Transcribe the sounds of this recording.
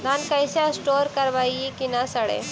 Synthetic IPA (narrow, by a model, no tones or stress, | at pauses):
ɡ̪ankəjsasʈoɾkəɾʋajikinasəɽḛ